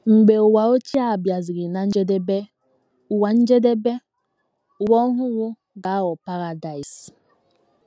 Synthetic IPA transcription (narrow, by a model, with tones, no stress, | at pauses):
ŋ͡m̩˨ɡ͡be˨o˨wa˨o˦t͡ʃi˦a˨bja˨zi˨ɡɪ˨na˨˦n̩˦d͡ʒe˦de˦be˦ | u˨wa˨n̩˦d͡ʒe˦de˦be˦ | u˨wɔ˦ɦʊ˦wʊ˦ | ɡa˨˦wɔ˨pa˦ɾa˨da˨i˨s